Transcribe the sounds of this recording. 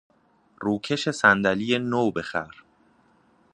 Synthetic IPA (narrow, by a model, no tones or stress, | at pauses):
ruːcʰe̞ʃe̞sænd̪æliːjenoːbe̞xæɾ